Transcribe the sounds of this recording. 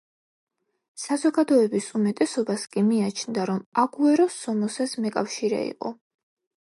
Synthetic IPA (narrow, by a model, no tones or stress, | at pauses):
sazɔɡad̪ɔɛbisumɛt̪ʼɛsɔbaskʼimiat͡ʃʰnd̪aɾɔmaɡuɛɾɔsːɔmɔsɛsmɛkʼafʃiɾɛ̰ḭqʼɔ̰